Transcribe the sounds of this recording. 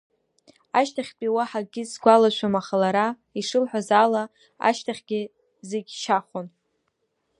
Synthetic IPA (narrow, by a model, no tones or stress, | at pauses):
aʃtʰaχʲpʼiwaħaɡʲɪzɡʷalaʃʷamaχalaɾa | iʂɨlħʷᶣazala | a̰ʃtʰaχʲɡʲɪ | zeɡʲʃaχʷon